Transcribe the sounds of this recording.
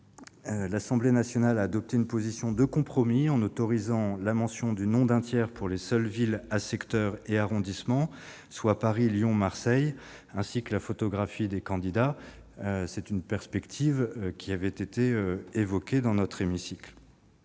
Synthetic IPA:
lasɑ̃blenasjɔnalaːd̪ɔp̚t̪eynpozisjɔ̃d̪əkɔ̃pχɔmiɑ̃not̪ɔʁizɑ̃lamɑ̃sjɔ̃d̪ynɔ̃d̪ɛ̃t̪jɛʁpʰuʁlesœlvilasɛkt̪œʁeaʁɔ̃d̪ismɑ̃ | swapaʁiljɔ̃maʁsɛj | ɛ̃sikəlafot̪ɔɡʁafid̪ekɑ̃d̪id̪a | sɛt̪ynpɛʁspɛkt̪ʰivkʲʰiavɛt̪et̪eøevɔkʲed̪ɑ̃nɔt̪χemisikl

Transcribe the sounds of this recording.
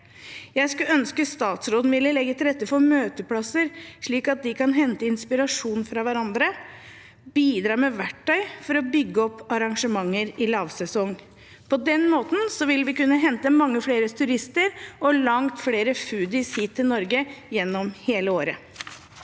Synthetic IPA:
jæɪskʉœnskəst̪ɑːt̪sɾoːd̪n̩ʋɪlːəlɛɡːət̪ʰɪlɾɛt̪ːəfɔɾmøːt̪əpʰɽɑsəɾʂɭiːkɑt̪̚d̪ɪkɑnɦɛnt̪əɪnspɪɾɑʂuːnfɾɑʋæɾɑnd̪ɾə | biːd̪ɾɑːɾmɛʋæʈːœʏfɔɾɔbʏɡːəɔpːɑɾɑŋʂəmɑŋːəɾɪlɑːʋsɛsɔŋː | pʰɔd̪ɛnmoːt̪n̩sɔʋɪlʋɪkʉnːəɦɛnt̪əmɑŋːəfɽeːɾət̪ʰʉɾɪst̪əɾɔlɑŋt̪fɽeːɾəfʉːd̪ɪshiːt̪ʰːɪlnɔɾɡəjɛnːɔmheːləoːɾə

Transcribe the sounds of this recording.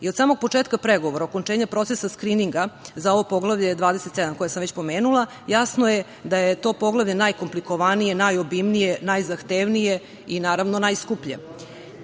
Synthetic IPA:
iod̪saːmo̞ɡ̚po̞t͡ʂeːt̪̚kapɾeɡo̞ʋoɾaoko̞nt͡ʂeɲapɾo̞t̪sesaskɾiniŋɡazao̞ʋopo̞ɡlˠaʋʎe̞d̪ʋaːd̪eset̪sed̪amko̞jasamʋet͡ɕpo̞meːnulˠa | jasnoje | d̪ajet̪o̞ːpo̞ɡlˠaʋʎenajkompliko̞ʋanijenajobimnijenajzaxt̪eʋnije | inaːɾaʋnonajskupʎḛ

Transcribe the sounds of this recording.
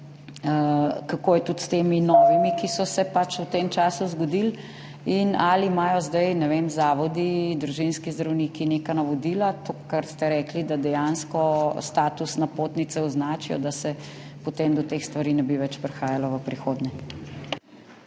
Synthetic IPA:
kakoːjɛt̪ut̪st̪eːminɔːʋimikisɔsɛpat͡ʃwt̪emt͡ʃaːsuzɡɔd̪il | inalimaːjɔzd̪ajnɛʋemzaːʋɔd̪id̪ɾuʒinskizd̪ɾawniːkinekanaʋɔd̪iːlat̪okaɾst̪ɛɾɛklid̪ad̪ɛjanskɔst̪aːt̪usnapoːt̪nit̪sɛɔznaːt͡ʃijɔ̰d̪asɛpot̪emd̪ɔt̪exst̪ʋaɾinɛbiʋɛt͡ʃpɾɛxaːjalɔʋəpɾixoːd̪ɲɛ

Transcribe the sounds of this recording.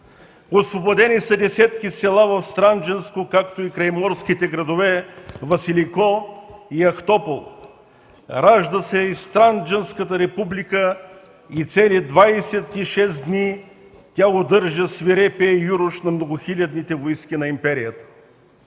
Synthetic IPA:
osvobod̪ɛnisɐd̪ɛsʲɛt̪kʲisɛlˠavɐfst̪ɾand͡ʒɛnskokakt̪oikɾɐjmɔɾskit̪ɛɡɾɐd̪ovɛvɐsilikɔiɐxt̪ɔpolˠ | ɾaʒd̪əsɛist̪ɾand͡ʒɛnskət̪əɾɛpublikə | it̪sɛlid̪vajsɛt̪iʃɛsd̪ni | t̪ʲaɡod̪ɤɾʒəsviɾɛpɛjuɾʊʃnɐmnoɡʊxilʲɐd̪nit̪ɛvoskʲinɐimpɛɾijət̪ə̥

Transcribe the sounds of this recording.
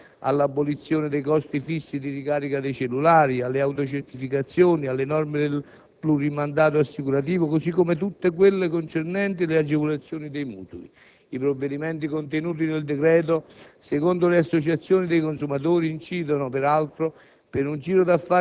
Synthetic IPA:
a̰lːabːolit̪sːjoːnɪd̪ejkɔst̪ifisːid̪irikaːɾikad̪ejt͡ʃelːulaːɾialːeawt̪ot͡ʃeɾt̪ifikat̪sːjoːnialːenɔrmɪd̪el | plurimand̪aːt̪̬oasːikuɾat̪̬iːvokosikːomet̪ut̪ːek̬welːekont͡ʃernɛnt̪̬ilead͡ʒevolat̪sːjoːnid̪ejmṵːt̪uli | ipɾovːed̪imɛnt̪̬ikont̪enuːt̪̬ineld̪ekɾɛːt̪̬osekond̪oleasːot͡ʃat̪sːjoːnid̪ejkonsumat̪̬oːɾiːnt͡ʃiːd̪onʊpɛɾalt̪ɾo | pɪnund͡ʒiːɾod̪afːa

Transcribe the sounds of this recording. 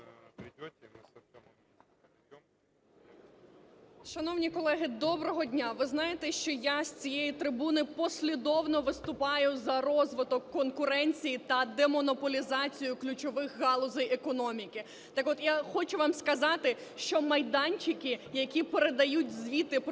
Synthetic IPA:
ʃɐnɔwnʲikɔlˠɛɦɪd̪ɔbɾɔɦɔdʲnʲaʋɪznɑjet̪ɛʃt͡ʃɔjasʲt͡sʲijɛjit̪ɾɪbunɪpɔsʲlʲid̪ɔwnɔʋɪst̪ʊpɑjʊzɐrɔzʋɪt̪ɔkːɔnkʊɾɛnʲt͡sʲijit̪ɐd̪ɛmɔnɔpɔlʲizɑt͡sʲijʊklʲʊt͡ʃɔʋɪxɣɑlˠʊzɛjekɔnɔmʲikɪ | t̪ɑkɔt̪jaxɔt͡ʃʊʋɑmskɐzɑt̪ɪ | ʃt͡ʃɔmɐjd̪ɑnʲt͡ʃɪkɪjɐkʲipeɾed̪ɐjutʲzʲʋʲit̪ɪp

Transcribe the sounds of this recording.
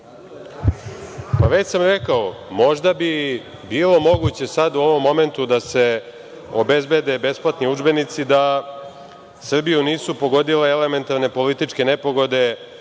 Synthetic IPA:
paʋet͡ɕsamɾekaomo̞ʒd̪abi | biːlo̞mo̞ɡut͡ɕe̞sad̪uo̞ʋo̞mːo̞me̞nt̪ud̪ase̞ | obe̞zbe̞d̪e̞be̞splˠat̪niud͡ʒbe̞nit̪sid̪a | sr̩bijuniːsupo̞ɡo̞d̪ileele̞me̞nt̪aɾne̞po̞lit̪it͡ʂke̞ne̞po̞ɡo̞d̪e̞

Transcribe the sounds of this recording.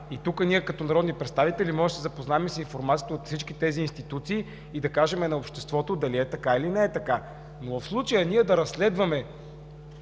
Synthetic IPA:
it̪ukənʲiɛkɐt̪ɔnɐɾɔd̪nipɾɛt̪st̪avit̪ɛlimɔʒɛʃzɐpoznaɛmɛsinfoɾmat̪sijə̥t̪əot̪fsit͡ʃkit̪ɛziːnst̪it̪ut̪siː | d̪ɐkaʒɛmɛnɐopʃt̪ɛst̪vɔt̪od̪ɐliɛt̪ɐkailinɛɛt̪ɐka | novfslˠut͡ʃəjənʲiɛd̪ɐɾɐsːlɛd̪vɐmɛ

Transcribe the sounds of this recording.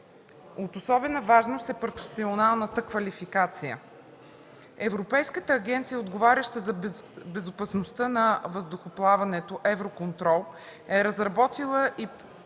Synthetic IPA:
ot̪osɔbɛnəvaʒnost̪ɛpɾofɛsionalˠnət̪əkvɐlifikat̪sijə̰ | ɛvɾopɛjskət̪əːɡɛnt̪sijəod̪ɡovaɾʲɐʃt̪əzɐbɛzopɐsnost̪ənɐvəzd̪ʊxoplˠavɐnɛt̪oʔɛvɾokont̪ɾɔlˠ | ɛɾəzɾɐbɔt̪ilˠəʔi

